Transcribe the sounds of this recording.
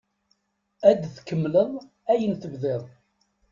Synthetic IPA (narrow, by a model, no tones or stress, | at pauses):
æd̪θkəmːləðˤ | æjənθəvðeðˤ